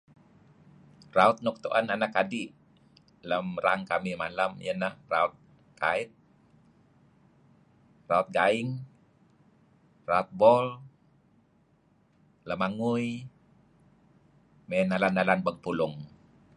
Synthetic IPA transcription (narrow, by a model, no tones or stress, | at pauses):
raut̪̚nɔk̚t̪uʔananakadi | ləmɾaŋkamimalamjənəhraʊt̪̚ | kaɪt̪̚ | raut̪̚ɡaɪŋ | raut̪̚bɔl | ləmaŋuj | mɛnalanːalanbəŋpulʊŋ